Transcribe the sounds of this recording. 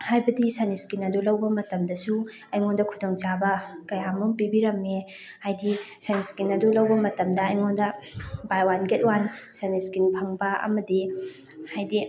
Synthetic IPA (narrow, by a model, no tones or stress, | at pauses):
hajbɐdisaniskinɐdulɐwbɐmɐtɐmdɐsu | ɐjŋondɐkʰudoŋt͡ʃabɐkɐjamumpibiɾɐme | hajdisaniskinɐdulɐwbɐmɐtɐmdɐːjŋondɐbajwanɡet̚wansaniskinpʰɐŋbɐɐ̰mɐdi | hajdi